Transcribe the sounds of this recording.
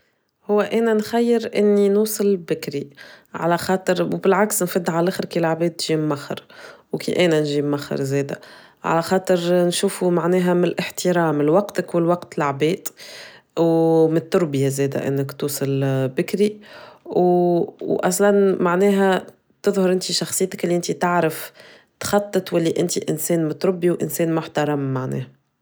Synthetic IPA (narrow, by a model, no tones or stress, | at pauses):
hʊwːæʔæːnænxæjːɪɾʔɪnːinuːsˤɑlbɪkɾiʕa̰læxɑːt̪ˤɨɾwbɪlʕaksnfɪd̪ːʕalʔaxɾkilʕabɛːd̪̚t̪ːʒimmaxːɑ̰ɾwkḭʔɛːnænʒimmaxːɑ̰ɾzɛːd̪æ̰ | ʕa̰læxɑːt̪ˤɨɾnʃuːfumaʕnɛːɦæmlʔɪħt̪əɾɑːmɪlwɑqt̪akwɪlwɑqt̪ɪlʕabɛːd̪ | wmɪt̪ːʊɾbɪjazɛːd̪æ̰ʔɪ̰nːɪkt̪uːsˤɑlbɪkɾiwwʔɑs̬ˤlɑnmaʕnɛːɦæ | t̪ɨðˤhʊɾˤʔɪnt̪iʃɑxsˤɨjːt̪ɪ̥kʔɪlːiʔɪnt̪it̪aʕɾɪf | t̪xɑt̪ˤːɨt̪wælːiʔɪnt̪iʔɪnsɛːnmɪt̪ːɾˤʊbːiwʔɪnsɛːnmʊħt̪ɑɾˤɑmːaʕnɛ̰ːhæ